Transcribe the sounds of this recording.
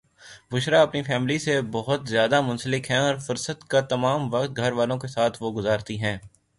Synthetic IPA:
ʋʊʃɾaɐpnifɛːmlisebɔɦʊt̪zjaːd̪amʊ̃nsəlɪkɦɛ̃ɔːɾfʊɾsət̪kat̪ɐmaːmʋɐqt̪̚ɡʱɐɾʋaːlõkesaːt̪ʰʋoɡʊzaːɾt̪iɦɛ̃ː

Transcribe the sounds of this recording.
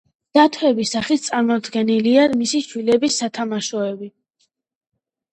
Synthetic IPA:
d̪̥at̪ʰwɛbisaχit̪ʰt̪sʼaɾmɔd̪ɡɛniliamisiʃwilɛbisːat̪ʰamaʃɔɛbi

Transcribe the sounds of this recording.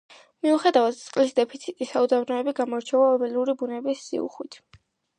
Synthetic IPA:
miuχɛd̪avat̪t̪sʼqʼlisd̪ɛpʰit̪sʰit̪ʼisaud̪avnɔɛbiɡamɔɾt͡ʃʰɛvaɔbɛluɾibunɛbisːḭṵχwit̪ʰ

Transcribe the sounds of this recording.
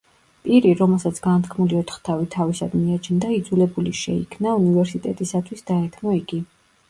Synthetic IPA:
pʼiɾiɾɔmɛlˠsat̪sʰɡ̥ant̪ʰkʰmuliɔt̪ʰχt̪ʰavit̪ʰavisad̪miat͡ʃʰnd̪aid̪zulɛbuliʃɛ̰ikʰmnaunivɛɾsit̪ʼɛt̪ʼisat̪ʰwisd̪aɛt̪ʰmɔiɡ̥i

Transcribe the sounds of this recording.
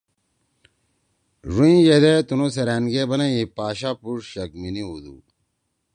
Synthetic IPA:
ʐuĩjed̪et̪unoseɾaːnɡebɐnɐipaːɕaːpuʂɕɐkminiud̪ṵː

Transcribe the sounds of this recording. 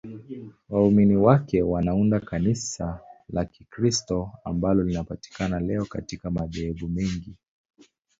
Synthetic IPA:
wauminiwakɛwanaundakanisalakikɾistɔa̰mbalɔlinapati̥kanalɛɔka̰tikamaʄɛɛɓumɛŋɡi

